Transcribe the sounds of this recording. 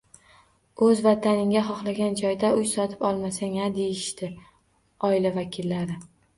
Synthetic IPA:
ɵzvat̪ʰanɪŋʲaχɒχlˠaɡʲand͡ʒɒjd̪aʊjsɒt̪ʰɪ̥pɒlˠmasaŋad̪e̞jɪʃt̪ɪ | ɒɪlavakʲʰɪlːaɾɪ

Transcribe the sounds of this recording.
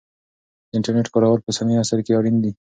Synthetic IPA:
ɪɳʈəɾneʈkaɾawaɾpəsaniasaɾkeaɾind̪i

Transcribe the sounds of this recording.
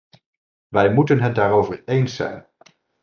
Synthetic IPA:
ʋɛjmutənɦəndaːɾowvəɹejnsːɛ̰jn

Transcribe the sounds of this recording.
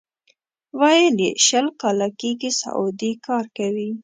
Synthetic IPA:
wɑjəljḛʃəlkɑlakeɡisa̰ʔʊd̪ikɑɾkawi

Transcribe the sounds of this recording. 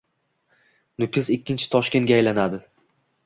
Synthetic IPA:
nʊkʲɪzɪkʲʰːɪnt͡ʃʰɪ̥t̪ʰɒʃkʲe̞nɡʲajlanad̪ɪ

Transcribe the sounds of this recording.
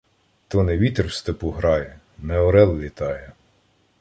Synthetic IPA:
t̪ɔnɛʋʲit̪erwst̪epuɦɾɑjɛ | nɛɔɾɛlˠlʲit̪ɑjɛ

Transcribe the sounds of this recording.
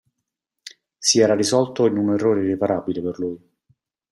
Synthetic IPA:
siɛːɾarizɔlt̪oinunerːoːɾeripaɾaːbileperluːj

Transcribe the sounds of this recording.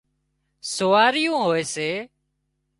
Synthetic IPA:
soːaːɾɪjũːɦoːeːseː

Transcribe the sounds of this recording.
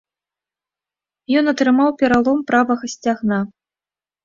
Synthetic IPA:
jɔnɐt̪ɾɨmawpʲɛɾalˠɔmpɾavɐɣɐsʲt͡sʲaɣna

